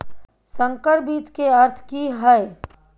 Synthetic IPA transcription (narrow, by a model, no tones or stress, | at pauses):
sə̃ŋkəɾbiːt̪keɐɾt̪ʰkiɦəe